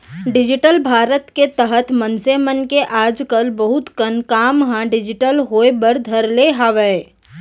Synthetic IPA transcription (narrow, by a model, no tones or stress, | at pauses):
ɖɪd͡ʒɪʈəlbʱaːɾət̪ket̪əɦət̪mə̃nsemənkeʔaːd͡ʒkəlbəɦʊt̪kənkaːmɦãɖɪd͡ʒɪʈəlɦoːebəɾd̪ʱɐɾleɦaʋə